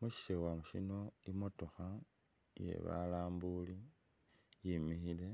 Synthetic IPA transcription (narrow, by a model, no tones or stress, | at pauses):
muʃi̥ʃewamuʃino̞imo̞to̞xa | jḛβa̰laːmbuli | jimixile̞